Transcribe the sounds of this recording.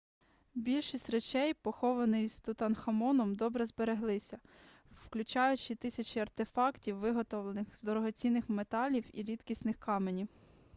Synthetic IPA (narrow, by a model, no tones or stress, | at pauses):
bʲilʲʃisʲtʲret͡ʃɛjpɔxɔʋɐnɪjst̪ʊt̪ɐnxɐmɔnɔmd̪ɔbɾɛzbeɾeɦlˠɪsʲɐ | wklʲʊt͡ʃɑjʊt͡ʃɪt̪ɪsʲɐt͡ʃiɐrt̪efɑktʲiwːɪɦɔt̪ɔʋlˠenɪxzd̪ɔɾɔɦɔt͡sʲinːɪxmet̪ɑlʲiwḭɾʲid̪kʲisnɪxkɑmenʲiw